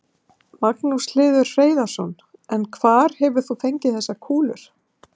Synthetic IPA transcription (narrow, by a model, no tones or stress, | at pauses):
maknuslɪːðʏɾreːjðaɾ̥sɔn | ɛnkʰvaːɾ̥hɛvʏ̥θuθejɲcɪθɛsːakʰuːlʏɾ̥